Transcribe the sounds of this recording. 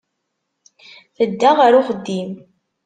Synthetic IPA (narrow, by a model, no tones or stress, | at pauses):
θəd̪ːaʁəɾʊχəd̪ːim